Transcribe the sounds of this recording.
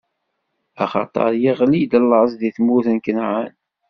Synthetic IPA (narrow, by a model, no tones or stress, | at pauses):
ɑχɑ̰t̪ˤɑ̰ɾˤjiʁlid̪əlːʕzˤðiθmuθənkənʕan